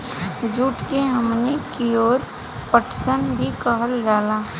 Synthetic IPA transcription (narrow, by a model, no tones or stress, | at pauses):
d͡ʒuːʈkeɦəmnekijoːɾ | pəʈʰsənbʱikəɦəld͡ʒaːlaː